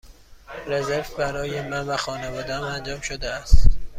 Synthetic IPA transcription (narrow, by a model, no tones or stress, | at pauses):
ɾe̞zeɾvbæɾɒːjemænvæxɒːnevɒːd̪eæmænd͡ʒɒːmʃod̪eæst̪